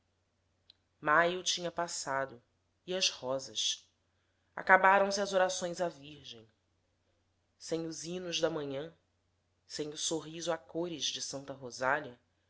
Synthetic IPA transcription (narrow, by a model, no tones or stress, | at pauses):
majʊt͡ʃĩɲɐpasad̪ʊ | iɐzhɔzɐʃ | a̰kabaɾɐ̃w̃sɪɐzoɾasõj̃zaviɾʒẽj̃ | sẽj̃ʊzinʊʒd̪ɐmɐ̃ɲɐ̃ | sẽj̃ʊsoɦizʊakoɾɪzd͡ʒɪsɐ̃nt̪ɐɦozaliɐ